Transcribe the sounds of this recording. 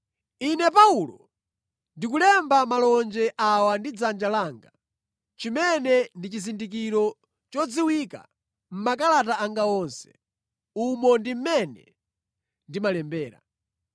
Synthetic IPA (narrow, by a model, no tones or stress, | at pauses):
inɛpaulɔ | ndikulɛmbamalɔnd͡ʒɛʔawandid͡zand͡ʒalaːŋɡa | t͡ʃimɛnɛndit͡ʃizindikiɾɔ | t͡ʃɔd͡ziwika̰ | m̩makalataaŋɡaɔnsɛ̥̰ | umɔndim̩mɛnɛ̰ | ndimalɛmbɛːɾa̰